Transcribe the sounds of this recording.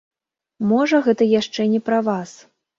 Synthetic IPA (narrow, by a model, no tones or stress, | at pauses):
mɔʐɐɣɛt̪ɐjaʂt͡ʂɛnʲɛpɾɐvas